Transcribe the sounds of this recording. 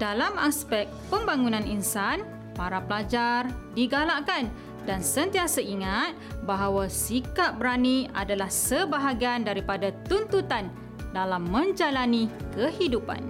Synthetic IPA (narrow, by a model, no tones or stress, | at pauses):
d̥alamaspɛk̚pəmbaŋunãninsan | paɾapəlad͡ʒardiɡalakan | dansənt̪iasaiŋat̪̚baɦawasikat̚bəɾania̰dalahsəbaɦaɡiandaɾipadat̪unt̪ut̪an | dalamːə̃ɲd͡ʒalanĩkəhidupa̰n